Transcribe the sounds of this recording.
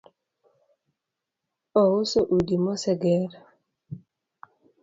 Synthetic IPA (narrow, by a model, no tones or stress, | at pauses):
ɔwʊsoʔudimɔsɛɡɛɾ